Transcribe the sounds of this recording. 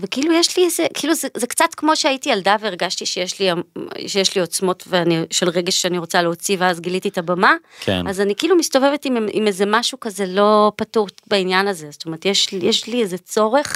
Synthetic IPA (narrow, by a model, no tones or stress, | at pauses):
vekiiːlujeʃliezekʰiiːluzezekt͡satkmo̞ʃeaitialdaveːʁɡaʃtiʃejeʃliaʃejeʃlio̞t͡smo̞tveaniʃelʁe̞ɡe̞ʃʃeaniʁot͡saleot͡siveazɡilititabamakʰḛnazanikiilumisto̞ve̞ve̞timḭmezemaʃukazelo̞patuʁtbainjanazezo̥t̪omeʁetjeʃjeʃliezet͡so̞ʁe̞χ